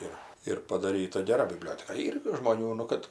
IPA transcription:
ˈɪr ɪr pɐdɐˈrʲiːtɐ ɡʲɛˈrɐ bʲɪˈbʲlʲoːtʲɛkɐ ˈiːr ɡʲɪ ʒmoːˈnʲuː nʊ ˈkɐt

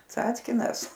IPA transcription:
ˈt͡sɑːt͡sʲkʲɪnɐs

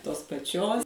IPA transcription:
toːs pɐˈt͡ʃʲoːs

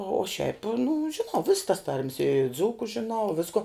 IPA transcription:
oː ʃʲɛɪp nʊ ʒʲɪˈnɐʊ ʋʲɪss tɐs tɐrʲmʲs ɪ ˈd͡zuːkʊ ʒʲɪˈnɐʊ ˈʋʲɪskʊ

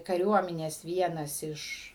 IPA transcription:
kɐˈrʲuɔmʲɛnʲeːs ˈʋʲiɛnɐs ˈɪʃ

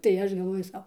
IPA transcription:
tɐɪ ˈɐʃ ɡɐlˠˈʋoːjʊ ˈsɐʊ

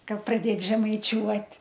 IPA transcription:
ˈkɐt prɐˈdʲeːt ʒʲɛmɐɪˈt͡ʃʲuɔtʲ

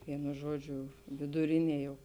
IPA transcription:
ˈʋʲiɛnʊ ˈʒuɔˌd͡ʒʲʊ ʋʲɪdʊˈrʲɪnʲiɛ jɛʊ

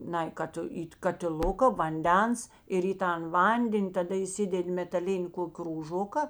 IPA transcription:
ˈnɐɪ ˈkɐt iː kɐtʲɪˈlˠʊkɐ ʋɐnʲˈdʲɛns ɪr iː ˈtɐn ˈʋɐnʲdʲɛnʲ tɐˈdɐ iːˈsʲɪdʲɛtʲ mʲɛtɐˈlʲɪnʲɪ ˈkoːkʲ kruːˈʒoːkɐ

